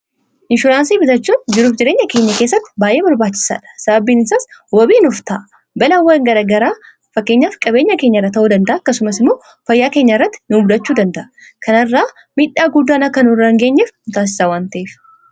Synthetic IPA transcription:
ʔɪnʃʊɾaːnsiːbɪt̪ɐt͡ʃːuːnd͡ʒɪɾuːfd͡ʒɪɾe̞ːɲːɐke̞ːɲːɐke̞ːs̬ːɐt̪ːɪ̥baːjʔe̞ːbɐɾbaːt͡ʃːɪ̥sa̰ːᶑɐ̥sɐbɐbːiːnɪsaːswɐbiːnɔft̪ɐːʔɐ | bɐlɐwːɐŋɡɐɾaːɡɐɾaː | fɐkːe̞ːɲːaːfkʼɐbe̞ːɲːɐke̞ːɲːɐɪrːɐt̪ɐʔuːd̪ɐnd̪ɐʔɐːɐkːɐsʊmɐsɪmːoː | fɐjːaːke̞ːɲːɐɪrːɐt̪ːɪ̥nʊbʊᶑ̪ɐt͡ʃːuːd̪ɐnd̪ɐʔɐ̥kʰɐnɐrːaː | miᶑaːɡʊd̪ːaːnɐkːɐnʊrːɐŋɡe̞ːɲːeːfnʊt̪aːs̬ɪ̥saːwaːnt̪ɐʔeːf

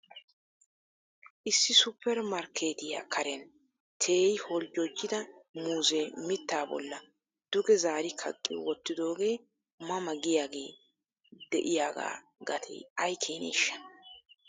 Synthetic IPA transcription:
ʔɪsːɪsʊpːɛɾmɐɾkʰe̞ːt̪ɪja̰kʰɐɾɛn | t̪ʰeːjhɔld͡ʒɔd͡ʒːɪd̪ɐmuːzeːmɪt̪ːaːbɔ̰lːɐ | d̪̥ʊɡɛzaːɾɪkʰɐ̰kʼːɪ̰j̰wɔt̪ːɪd̪o̞ːɡe̞ː | mɐmɐɡɪjaːɡe̞ː | d̪̥ɛʔɪjaːɡa̰ː | ɡɐt̪ʰɛ̰ɐjkʰiːnḭːʃːɐ̥n

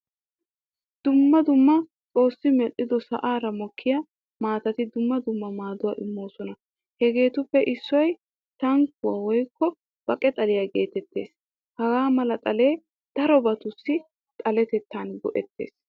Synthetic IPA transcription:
d̪̥ʊmːɐd̪ʊmːɐ | t͡sʼo̞ːsːɪmɛlʼːɪd̪ɔsɐ̰ʔaːɾɐmɔkʰːɪjɐ | maːt̪ɐt̪ɪd̪ʊmːɐd̪ʊmːɐmaːd̪ʊwaːʔɪmːo̞ːsɔnɐ | hɛɡe̞ːt̪ʊpːɛʔɪsːɔɔj | t̪ɐŋkʊwɐwɔjkːɔ | b̥ɐkʼɛt̪ʼɐlɪjaɡe̞ːt̪ɛt̪ːe̞̰ːs | hɐɡaːmɐlɐt̪ʼɐle̞ː | d̪̥ɐɾɔbɐt̪ʊsːɪ | t̪ʼɐlɛt̪ɛt̪ːaːnɡɔ̰ʔɛt̪ːe̞̰ːs

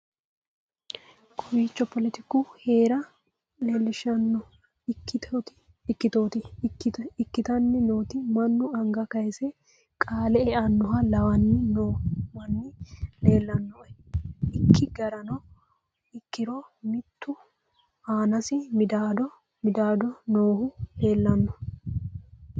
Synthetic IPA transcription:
kʰɔwiːt͡ʃːɔpɔlɪt̪ɪkːuhe̞ːɾɐ | le̞ːlːɪʃɐnːɔ | kːɪt̪ʰːt̪ɪ | ɪkːɪt̪oːt̪ɪ | ɪkːɪt̪ɐnːɪnoːt̪ɪmɐnːʊɐŋɡɐkɐjɛsɛ | kʼaːlɛɛɐnːɔɦɐlɐwɐnɪnoːmɐnːɪle̞ːlːɐnːɔ | ɪkʰːɪɡɐɾɐnɔ | ɪkːɪɾɔmɪt̪ʰːʊ | haːnɐsɪmɪd̪aːd̪ɔ | mɪd̪aːd̪ɔnoːhʊle̞ːlːɐnːɔ

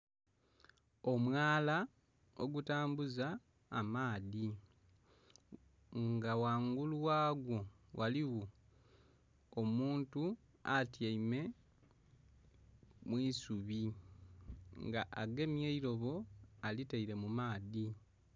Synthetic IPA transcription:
o̞mwaːla | o̰ɡutaːmbuzaː | maːði | ŋɡawaːŋɡuluwaːɡo | wʔaliwo | omuːntu | atjaime̞ | mwiːsuβi | ŋɡaʔaɡe̞mjeiɾo̞βo̞alitaiɾe̞mumaːði

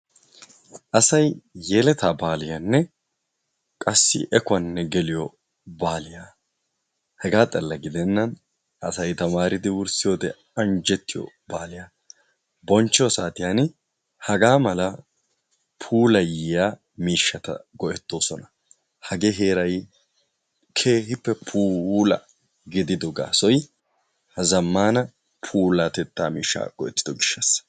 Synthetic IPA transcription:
ʔɐsɐjjɛlɛt̪ʰaːbaːlɪjɐnːɛ | kʼɐsːɪ̰ʔɛkʊɐnːɛɡɛlɪjɔ | baːlɪja | hɛɡaːt̪ʼɛlːɐɡɪd̪ɛnːɐn | ʔɐsɐjt̪ɐmaːɾɪd̪ɪwʊɾsɪjot̪ɛ | ɐnd͡ʒɛt̪ːɪjɔ̰ | baːlɪjaː | bɔnt͡ʃːɪɔsaːt̪ɪjan | hɐɡaːmɐlɐ | pʰuːlɐjɪjaː | miːʃːɐt̪ɐ̰ɡɔʔɛt̪ːo̞ːsɔnɐ | hɐɡeːɦe̞ːɾɐj | kʰe̞ːhɪpːɛpʰuːlɐ̰ | ɡɪd̪ɪd̪ɔɡa̰ːsɔj | hɐzɐmːaːnɐ | pʰuːlɐt̪ɛt̪ːa̰ːmiːʃːa̰ːɡ̥ɔʔɛt̪ːɪ̥d̪ɔɡɪʃːɐs

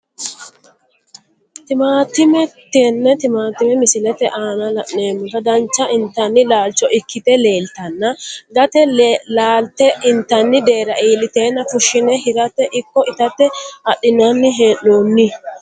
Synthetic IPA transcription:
t̪ɪmaːt̪ːɪmɛt̪ːenːɛt̪ɪmaːt̪ːɪmɛmɪsɪlɛt̪ɛʔaːnɐlɐʔne̞ːmːʊt̪ɐd̪ɐnt͡ʃːɐʔɪnt̪ːɐnːɪlaːlt͡ʃɔʔɪkːɪt̪ɛle̞ːlt̪ɐnːɐɡɐt̪ɛlaːlt̪ɛʔɪnt̪ːɐnːɪd̪e̞ːɾɐʔiːlɪt̪eːnːɐfʊʃːɪnɛɦɪɾɐt̪ːɛʔɪkːɔʔɪt̪ɐt̪ːɛɐɗːɪnɐnːɪɦeːʔːoːnːɪ

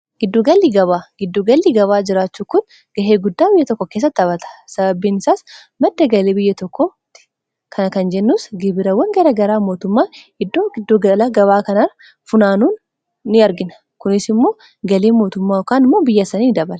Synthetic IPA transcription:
ɡɪd̪ːuːɡɐlːiːɡɐβaːɡ̥ɪd̪ːuɡɐlːiːɡɐβaːd͡ʒɪɾaːt͡ʃːuːkʊn | ɡ̥ɐɦeːɡʊd̪ːaːbɪjːɐt̪ɔkːɔkes̬ːɐt̪ːɐβɐt̪ɐ̥sɐbɐbːiːnɪsaːs | mɐd̪ːɐɡɐleːbɪjːɐt̪ɔkʰːɔt | kʰɐnkɐnd͡ʒɛnːuːsɡɪbɪɾɐwːɐŋɡɐɾɐɡɐɾaːmo̞ːt̪ʊmːaː | ɪd̪ːoːɡɪd̪ːoɡɐlɐɡɐβaːkɐnɐr | fʊnaːnuːnː | ɪɐɾɡɪnɐ̥ | kʊnɪsɪmːo̞ː | ɡɐleːmo̞ːt̪ʊmːaːɔkaːnɪmːo̞ːbɪjːɐsɐniːd̪ɐbɐlɐ

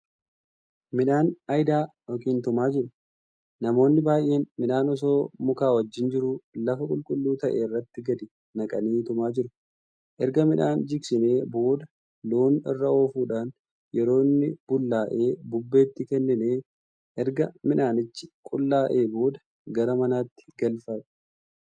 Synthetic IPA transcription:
mɪᶑaːnɐjd̪aː | ɔkiːnt̪ʊmaːd͡ʒɪɾʊ̥ | nɐmo̞ːnːɪbaːjʔe̞ːnmɪnaːnɔs̬o̞ːmʊkaːwɐd͡ʒːɪnd͡ʒɪɾuːlɐfɐkʼʊlkʼʊlːuːt̪ɐʔḛːrːɐt̪ːɪɡɐd̪ɪ | nɐkʼɐniːt̪ʊmaːd͡ʒɪɾʊ | ʔɛɾɡɐmɪᶑaːnd͡ʒɪksɪne̞ːbo̞ːd̪ɐ | loːnɪ̰rːɐo̞ːfuːᶑaːn | jɛɾo̞ːnːɪb̥ʊlːaːʔeːbʊbːe̞ːt̪ːɪkɛnːɪneː | ʔɛɾɡɐmɪnaːnɪt͡ʃːɪ̥kʼʊlːaːʔe̞ːbo̞ːd̪ɐ̥ | ɡɐɾɐmɐnaːt̪ːɪ̥ɡɐlfɐᶑ

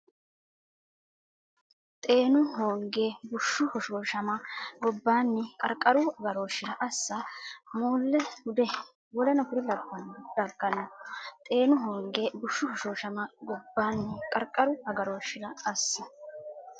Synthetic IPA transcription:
t̪ʼe̞ːnʊɦoːŋɡeːbʊʃːʊhɔʃoːʃɐmɐɡɔbːaːnːɪkʼɐɾkʼːɐɾʊɐɡɐɾo̞ːʃːɪɾɐʔɐsːɐmoːlːɛhʊd̪ɛ | wɔlɛnɐkʊɾɪlɐbːɐnd̪̥ɐɡːɐnɔt̪ʼe̞ːnʊɦo̞ːŋɡeːbʊʃːʊhɔʃoːʃɐmɐɡɔbːaːnːɪkʼɐɾkʼːɐɾʊɐɡɐɾo̞ːʃːɪɾɐɐsːɐ

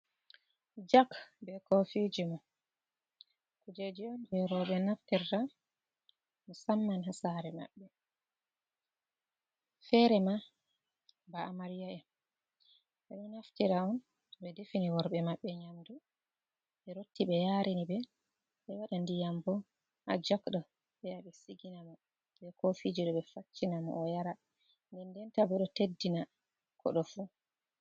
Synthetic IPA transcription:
d͡ʒakbɛkɔfid͡ʒima | kud͡ʒed͡ʒiɔndɛɾɔɓɛnaftiɾːa | nɔsamːanɦasaɾɛma̰ɓːɛ | fɛɾɛma | baamaɾijaɛ | ɓɛɗɔnaftiɾaɔn | ɓɛdefiniwɔɾɓɛmaɓːɛɲamdu | ɓɛɾotːiɓɛjaɾinibɛ | ɓɛwaɗandijambɔ | ha̰d͡ʒakɗɔ | ɓɛaɓɛsiɡinamɔ | ɓɛkofid͡ʒiɗɔɓɛfat͡ʃːinamɔ̰ʔɔjaɾa | ndɛndɛntabɔɗɔtedːina | kɔ̰ɗɔfu

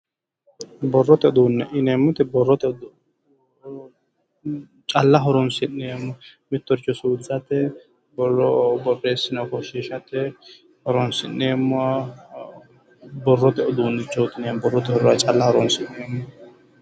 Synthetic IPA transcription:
bɔrːɔt̪ɛɔd̪uːnːɛʔɪneːmːʊt̪ɛbɔrːɔt̪ɛ | t͡ʃʼɐlːɐɦɔɾɔnsɪnːemːʊ | mɪt̪ːɔɾt͡ʃːɔsuːd͡zɐt̪ɛ | bɔrːɔbɔrːeːsːɪnɐkɔʃɛʃɐt̪ɛ | hɔɾɔnsɪ̰nːeːmːʊɐ | bɔrːɔt̪ɛɔd̪uːnːɪt͡ʃːoːt̪ɪnebɔrːɔt̪ɛhɔɾɐt͡ʃʼɐlːɐhɔɾɔnsɪnːɛmːʊ

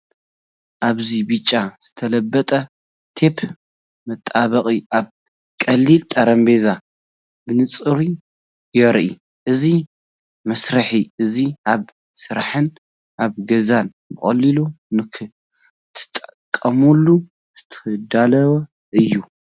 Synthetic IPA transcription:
ʔaβzibɨt͡ʃʼːaz̥ɨt̪ʰɐlɐbːɐt̪ʼɐ | t̪ʰe̞pʰ | mɐt̪ʼaβɐkʼiʔaβ | kʼɐlːilt̪ʼɐɾɐmbe̞za | bɨnɨt͡sʼɨɾi | jɛɾʔḭ | ʔɨzi | mɐsɾaħiʔɨziaβ | sɨɾaħɨn | ʔaβɡɐzan | bɨχʼɐ̰lːilunɨkʰɨ | t̪ʰɨ̥t̪ʼɐkʼːɐmolːu | ɨt̪ʰɨd̪alɐwɐ | ʔɨjːu

